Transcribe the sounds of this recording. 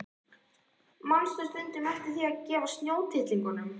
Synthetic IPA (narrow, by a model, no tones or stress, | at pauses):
manst̪ʏst̪ʏnt̪ʏmɛft̪ɪɾ̥θiacɛːvast̪njoːwt̪ʰɪht̪liŋkʏnʏm